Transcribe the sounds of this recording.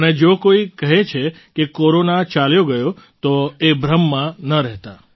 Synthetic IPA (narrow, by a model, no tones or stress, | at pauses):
əned͡ʒokoikəɦet͡ʃʰe | kekoɾonat͡ʃaljoɡəjo | t̪oebʱɾəmːãnəɾɛɦt̪a